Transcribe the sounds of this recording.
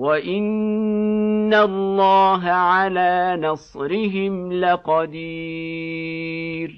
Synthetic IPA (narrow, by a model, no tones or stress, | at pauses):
waʔɪn | allːɑːɦaʕalaːnɑsˤɾɪɦɪmlɪqɑd̪iː | ɾ